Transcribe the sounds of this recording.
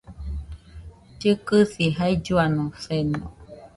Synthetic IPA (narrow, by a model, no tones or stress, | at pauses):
d͡ʒɨkɨsiɦaid͡ʒuanõsenõ